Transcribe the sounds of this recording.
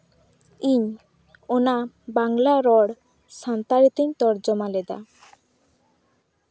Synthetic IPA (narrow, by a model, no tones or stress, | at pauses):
iɲ | ona | baŋlaɾɔɽ | sant̪aɾit̪iɲt̪ɔɾd͡ʑɔmaled̪a̰